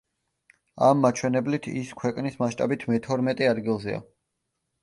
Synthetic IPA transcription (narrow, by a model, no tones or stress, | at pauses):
amːat͡ʃʰwɛnɛblit̪ʰḭskʰwɛkʼnismaʃt̪ʼabit̪ʰmɛt̪ʰɔɾmɛt̪ʼɛad̪ɡilˠzɛa̰